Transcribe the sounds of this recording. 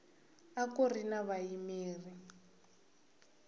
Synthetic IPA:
akorinaβajimiːri

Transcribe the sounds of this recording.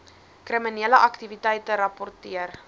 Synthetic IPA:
kriminiələʔɐktivitɛjtəɾɐpɔrtiər

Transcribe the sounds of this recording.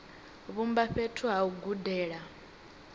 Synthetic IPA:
βumbaɸetʰuɦauɡudɛːɺa

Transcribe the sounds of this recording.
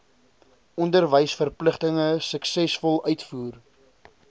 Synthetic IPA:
ʔɔndərvəjsfərpləχtəŋəsəksɛsfɔlˠœɥtfuːr

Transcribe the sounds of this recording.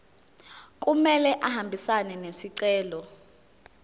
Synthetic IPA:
k̬ʼumɛlɛʔahambʱisanɛnesiǀɛːlɔ

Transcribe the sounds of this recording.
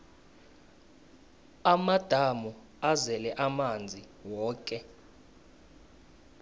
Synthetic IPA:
amad̥ʱamɔ | azɛlɛʔamand͡zʱi | wɔːkʼɛ

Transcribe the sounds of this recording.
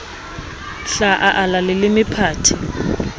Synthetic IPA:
ɬaʔaʔalalɪlɪmɪpʰaːtʰi

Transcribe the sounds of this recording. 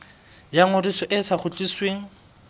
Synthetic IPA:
jaŋʊdisɔʔɪsaχʊt͡ɬʼisweːŋ̩

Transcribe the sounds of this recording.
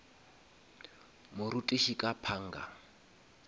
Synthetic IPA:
mʊɾutʼiʃikʼapʰaŋ̩ːɡa̰

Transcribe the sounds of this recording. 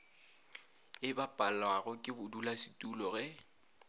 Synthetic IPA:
ɪbapʼalwaɣʊkʼɪbʊdulasɪ̥tʼulɔɣɛ

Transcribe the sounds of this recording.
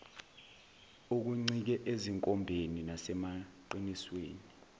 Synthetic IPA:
uk̬uŋ͡ǀik̬ɛʔeziŋkʼɔmbʱeninasɛmaǃinisweːni

